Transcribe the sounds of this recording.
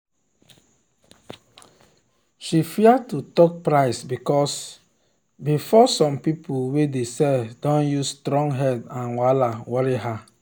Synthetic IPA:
ʃifiatutɔk̚pɹaɪsbikɔs | bifɔsɔ̃mpipʰuwedesɛdɔ̃njustɾɔ̃ŋɡɦɛdãnwalawɔɹiɦa

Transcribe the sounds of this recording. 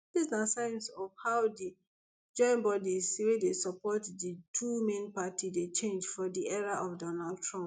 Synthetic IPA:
disnasãɪ̃nsɔvhaʊdi | d͡ʒɔ̃ɪ̃nbɔdizwedesapʰɔtditʰumẽnpatʰidet͡ʃẽnd͡ʒfɔdiʔɛɹaʔɔfdɔnaldtʰɹɔ̃mp

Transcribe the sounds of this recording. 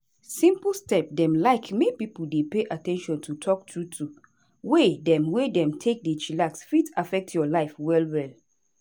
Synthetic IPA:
sĩmplstɛp̚dɛ̃mlaɪkmepipl̩depeʔatʰɛ̃nʃɔ̃ntʰutʰɔk̚tʰɹutʰu | wedɛ̃mwedɛ̃mtʰek̚det͡ʃilaksfitafɛk̚tʰjɔlaɪfwɛlwɛl

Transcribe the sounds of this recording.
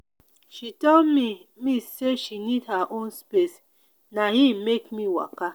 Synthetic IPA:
ʃitɔlmi | miseʃinidhaʔõnspes | naɦimekmiwa̰ka

